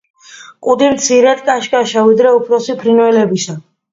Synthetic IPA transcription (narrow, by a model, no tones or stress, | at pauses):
kʼud̪imt̪sʰiɾɛt̪kʼaʃkʼaʃavid̪ɾɛupʰɾɔsipʰɾinwɛlɛbisa